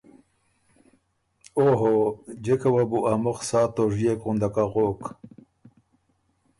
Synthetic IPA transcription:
oɦod͡ʑekawabuʔamoxsaːt̪oʐijekund̪akaʁoːk

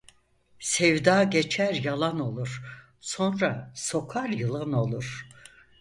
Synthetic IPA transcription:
sɛvd̪aːɟet͡ʃʰæɾjalˠano̞lˠuɾ̥ | so̞nɾaso̞kʰaɾjɯlˠano̞lˠuɾ̥

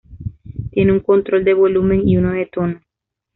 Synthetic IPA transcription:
t̪je̞neuŋko̞nt̪ɾo̞ld̪e̞βolumẽ̞ŋiunoðet̪ono

